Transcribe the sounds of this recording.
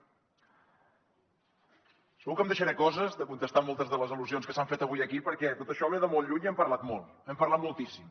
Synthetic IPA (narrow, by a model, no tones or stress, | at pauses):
səɣukəmd̪əʃəɾɛkɔzəzðəkunt̪əst̪amɔlˠt̪əzðələziluzionskəsaɱfet̪əβ̞ujəkipəɾkɛt̪ot̪əʃɔβɛðəmɔlˠʎuɲiɛmpəɾlat̪molˠ | ɛmpəɾlat̪̚mulˠt̪isim